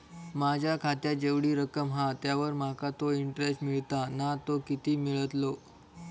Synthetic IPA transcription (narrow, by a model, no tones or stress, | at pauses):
mad͡ʑʱjakʰat̪jad͡ʑeʋɽiːɾəkəmɦat̪jaʋəɾmakat̪oiɳʈɾesʈmiɭt̪anat̪okit̪iːmiɭət̪lo